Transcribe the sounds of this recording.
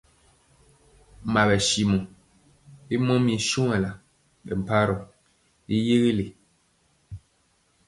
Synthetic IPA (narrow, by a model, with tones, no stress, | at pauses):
ma˨bɛ˨ʃi˨mu˨ | i˦mɔ̃˦mĩ˨ʃu˦ɛ˨la˨ | bɛ̰˨m̩˨pa˦ɾɔ˨ | i˦je˦ɣi˦le˨